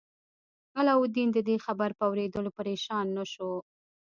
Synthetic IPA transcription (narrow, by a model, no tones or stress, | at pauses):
halɑwʊd̪ind̪əd̪exabaɾpəawɾed̪əlopəɾeʃɑnːaʃo